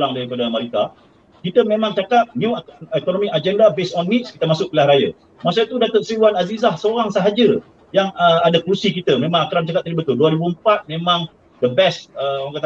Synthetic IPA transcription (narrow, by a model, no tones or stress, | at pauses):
laŋdaɾipadaamaɾika | kit̪əmẽmãŋt͡ʃakat̪̚njuɛkonɔmikad͡ʒɛndabesɔnːit̪̚skit̪əmasʊk̚pilahɾaja̰ | mas̬ait̪udat̪ət̪̚siuanazizahsəoɾaŋsəɦad͡ʒə | jaŋəadakursikit̪əmẽmãŋakɾant͡ʃakat̚p̪̚ːəɾibət̪ʊlduaɾibuəmpat̪̚mẽmãŋ | dəbɛsəɔŋkat̪a